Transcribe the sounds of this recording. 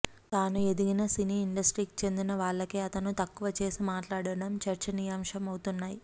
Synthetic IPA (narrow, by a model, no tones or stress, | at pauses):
t̪aːnue̞d̪iɡinɐsiniːiɳɖɐsʈɾiːki̥t͡ʃe̞nd̪inɐʋaːɭːɐkeːɐt̪ɐnut̪ɐkːuʋɐt͡ʃe̞ːsimaːʈlaːɽɐɽɐmt͡ʃɐɾt͡ʃɐnijaːmʂɐmɐwt̪unːaːji